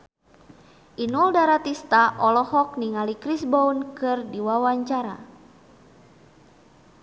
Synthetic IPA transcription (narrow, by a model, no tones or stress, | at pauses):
ʔinuldaɾat̪ist̪aʔɔlɔhɔk̚niŋalikɾisbaunkɨrdiwawaɲt͡ʃaɾa̰